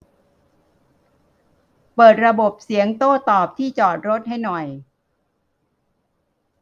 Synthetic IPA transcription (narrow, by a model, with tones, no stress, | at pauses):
pɤː˨˩t̪̚ɾa˧bo˨˩p̚si˩˦əŋt̪oː˥˩t̪ɔː˨˩p̚t̪ʰiː˥˩t͡ɕɔː˨˩t̪̚ɾo˦˥t̪̚ha˥˩jnɔ˨˩j